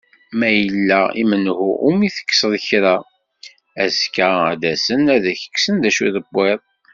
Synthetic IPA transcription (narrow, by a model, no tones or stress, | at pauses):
mæjəlːæḭmənhuumiθə̥kːsðçɾa | æskææ̰d̪æsənæðæçə̥kːsənðæʃuðəbːɪðˤ